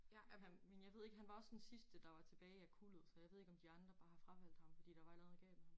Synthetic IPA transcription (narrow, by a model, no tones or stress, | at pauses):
ææmenjɑ̈ʋe̝ð̞̰ˠeɡ̥ɦænʋɑ̈ɒsd̥ensisd̥əd̥ɑ̈ʋɑ̈t͡sʰe̝b̥ɛːɪækʰulð̩ˠsɒ̽jɑ̈ɪʋe̝ð̰ˠeɡ̥ɒmd̥iɑ̈nd̥ʁɐb̥ɑ̈ːhɑ̈fʁɑ̈fæl̰d̥hɑ̈mfɒd̥ḭːd̥ɑ̈ʋɑe̝lɛð̩ˠɡ̥ɛ̰ːb̥